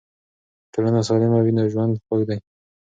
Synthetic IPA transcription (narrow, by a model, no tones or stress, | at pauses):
ʈolanas̬ɑlɪmawinaʒwand̪xoɡd̪aj